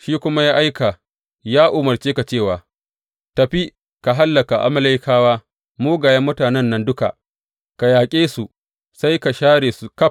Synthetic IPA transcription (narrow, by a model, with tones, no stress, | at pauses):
ʃiː˦kʷʊ˦ma˦jaː˦ʔa˦jka˨ | jaː˦ʔʊ˨mɐ˨rt͡ʃeː˦ka˨t͡ʃeː˦˨waː˨ | tɐ˨ɸi˦ | ka˨ɦa˦lːɐ˨ka˨ʔa̰˦ma˦la˦jkʰaː˦waː˦ | moː˦ɡaː˨jɐ˦mːʊ˦taː˨nɛ˦˨nːɐ˦ndʊ˦ka̰˨ | ka˨jaː˨kʲʼeː˦su˨ | sa˦jka˨ʃaː˦ɽeː˨su˨kɐ˦